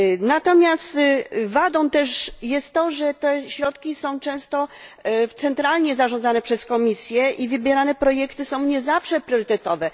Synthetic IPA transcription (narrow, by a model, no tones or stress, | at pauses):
nat̪ɔmʲjast̪vad̪ɔ̃w̃t̪ɛʂjɛst̪ːɔʐɛt̪ɛɕɾɔt̪kʲisɔ̃w̃t͡ʂɛ̃w̃st̪ɔt̪sɛnt̪ɾalɲɛzaʐɔ̃nd̪zanɛpʂɛskɔmʲisʲjɛʔivɘbʲjɛɾanɛpɾɔjɛkt̪ɘsɔ̃w̃ɲɛzafʂɛpɾʲjɔɾɘt̪ɛt̪ɔvɛ